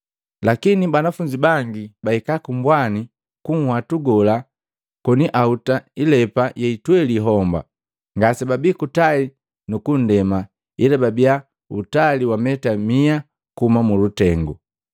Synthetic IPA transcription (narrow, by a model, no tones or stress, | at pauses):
lakinibanafuɲd͡ʒibaŋɡibaikakumbwani | kuŋ̩hwatuɡɔla | kɔniʔautailɛpajɛitwɛliɦɔmba̰ | ŋɡasɛbabikutai | nukun̩dɛma | ilababia | ṵtaliwamɛtamia | kumamulutɛŋɡu